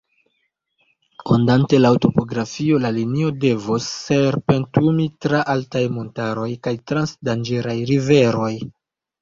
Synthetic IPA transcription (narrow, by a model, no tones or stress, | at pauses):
ondante̞lauto̞po̞ɡɾafio̞lalinio̞de̞vosːeɾpe̞ntumitɾaʔaltajmo̞ntaɾo̞jkajtɾansdand͡ʒeɾajɾive̞ɾo̞j